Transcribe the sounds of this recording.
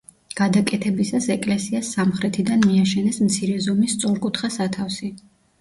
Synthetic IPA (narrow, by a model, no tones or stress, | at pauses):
ɡ̥ad̪akʼɛt̪ʰɛbisasɛkʼlɛsiasːamχɾɛt̪ʰid̪anmiaʃɛnɛsmt̪sʰiɾɛzɔmist̪sʼɔɾkʼut̪ʰχasat̪ʰafsi